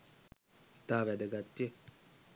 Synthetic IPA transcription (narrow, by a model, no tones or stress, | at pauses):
i̥t̪aːʋæd̪əɡat̪ːije